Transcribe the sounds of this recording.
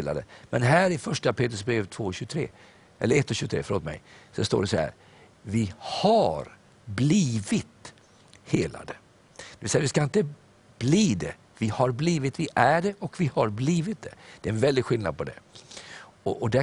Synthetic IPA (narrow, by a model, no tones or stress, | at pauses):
la̰d̪ə̰mʔɛnɦæːɾɪfœʂʈapʰeːt̪ɾəsbɾeːvt̪ʰvoːɕʉt̪ʰɾḛː | ʔɛlːəɾɛt̪ːɔɕʉːt̪ʰɾḛːfœɾoːt̪mɛ̰jsɔst̪o̰ːɖɛsɔhæ̰ːɾ | vɪhaɾ | bliːvɪt̪ | heːla̰d̪ə | d̪ɛvɪlsɛjavʋɪskaɪnt̪ə | b̥liːd̪ɛ̰ | vɪhaɾbliːvɪt̪vɪʔæɖɛʔɔkvɪhaɾbliːvɪt̪̚d̪ɛd̪̥ɛːɛnvɛld̪ɪɡɧɪlna̰d̪̚pʰɔd̪ɛ̰ | ɔʔɔd̪æ